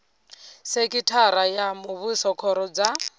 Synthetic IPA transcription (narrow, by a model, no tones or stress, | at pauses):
sekʼitʰaɾajamuβusɔkʰɔɾɔd͡za